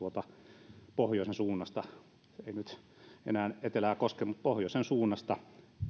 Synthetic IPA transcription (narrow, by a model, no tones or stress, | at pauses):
uot̪ɑpohjoˑisensuːnːɑst̪ɑ | einyt̪ | ḛnæːnet̪elæːkoskemut̪̚pohjoˑisensuːnːɑst̪ɑ